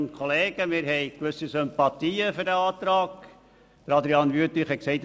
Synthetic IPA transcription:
nkχoleːɡ̥əmɪɾɦɛɪkʋɵsːisʏmpɑt̪iːəfʏɾdəɑːt̪ɾɑːɡ | d̥əɾɑd̪ɾiɑnʋyət̪iχhɛt̚ksɛɪt̪

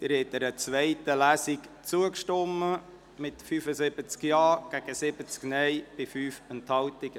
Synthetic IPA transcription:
d̥ɪɾhɛt̪̚ːɛɾət͡sʋɛɪtəlæːsɪkt͡suəkʃtɔmːə | mɪtfyːfəsɪb̥ət͡skjɑːɡ̥æɡ̥əsɪb̥ət͡sknɛjb̥ɪfyːfɛnt̪hɑlt̪ɪɡ̥ə

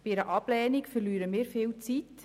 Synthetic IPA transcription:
biɪɾəʔɑb̥lɛːnikfərlyːɾəmɪːɾfɪːlt͡sit

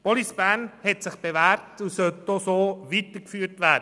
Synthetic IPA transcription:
pɔlisb̥æːnhɛtsɪχb̥evæːɾtusœltosoːviːt̪əkfyːɾtʋæːd

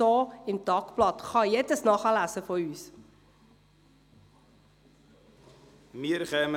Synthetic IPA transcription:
oːɪmtɑːkplɑtχɑjɛdəsnɑːχælæːsəfɔyːs | miəɾχɛːmə

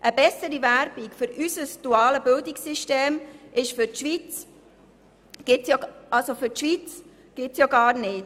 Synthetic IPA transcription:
ʔəbɛsəɾivæɾb̥ikfʏɾysəsd̥uɑːləbɪldiksiʃteːmʔɪʃfʏɾtʃʋit͡s | ɡ̥ɪtsjoɑlsofʏɾtʃʋit͡s | ɡ̥ɪtsjoɡɑːɾnɪːt

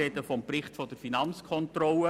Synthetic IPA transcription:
ɛd̪əfɔmprɪχtfɔdəɾfinɑnt͡skʰɔnt̪rɔlə

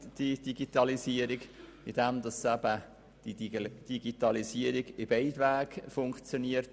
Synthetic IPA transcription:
d̥id̥iɡit̪ɑliziəɾiɡ | ɪd̥ɛmd̪ɑsæb̥ə | d̥id̥iɡit̪ɑliziəɾiɡɪbɛɪdʋæːɡ̥fʊŋkt͡sjoniəɾt

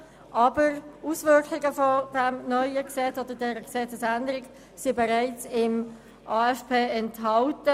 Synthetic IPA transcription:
ʔɑːbəɾusvʏɹkχɪɡəfɔd̥ɛmnœʏəksɛt͡sod̥̪ədɛːɾəksɛt͡səsændəɾɪk | sibɛʁaɪt͡sɪm | ʔaːɛspʰeːɛntɦɑltə

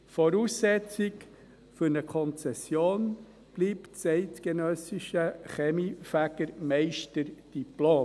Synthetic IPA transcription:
fɔɾuːsːɛt͡sɪk | fʏɾnəkʰɔnt͡sɛsjoːn | b̥liːpt͡sɛɪtɡ̥enœsɪʃəχɛmifæɡ̥əɾmɛɪʃtəɾd̥iploː

